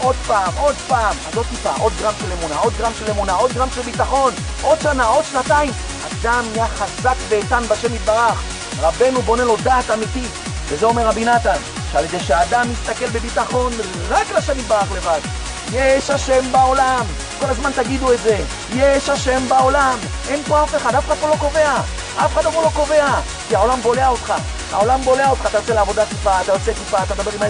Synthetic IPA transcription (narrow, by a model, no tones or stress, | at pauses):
ʔo̞d̪̚paːmo̞d̪paːmazot̪ipa̰ʔo̞d̪̚ɡʁamʃele̞munaʔo̞d̪̚ɡʁamʃelemunao̞d̪ɡʁamʃelbit̪aχo̞n | ʔo̞d̪ʃanao̞d̪ʃnat̪aim | a̰d̪amijaχazakbeːt̪anbaʃemit̪̚baʁaχ | ʁabe̞nubo̞ne̞lo̞d̪aːt̪amit̪i | vezeo̞me̞ʁʁabinat̪an | ʃealjed̪ejʃeaːd̪amist̪ake̞lbebit̪aχo̞n | ʁaklaʃemit̪baʁaχle̞vad̪ | jeʃhaʃe̞mbao̞lam | ko̞lazmant̪aɡid̪uetze̞ | jeʃhaʃe̞mbao̞lamʔenpoafeχad̪afeχad̪polo̞ko̞ve̞a | ʔafexad̪amulo̞ko̞ve̞a | kiao̞lambo̞leaot̪χa | ha̰o̞lambo̞leaot̪χat̪aʁot͡se̞leavo̞d̪at̪ifaːt̪aʁot͡set̪ifaːt̪ad̪abe̞ʁima